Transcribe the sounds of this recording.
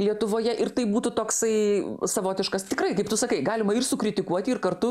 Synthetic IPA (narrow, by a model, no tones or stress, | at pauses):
lʲiɛt̪ʊʋoːjɛʔɪɾt̪ɐɪbuːt̪ʊt̪oːksɐɪsɐʋoːt̪ʲɪʃkɐst̪ʲɪkrɐɪkɐɪpt̪ʊsɐkɐɪɡɑːlʲɪmɐɪrsʊkɾʲɪt̪ʲɪkuɔt̪ʲɪɪrkɐrt̪ʊ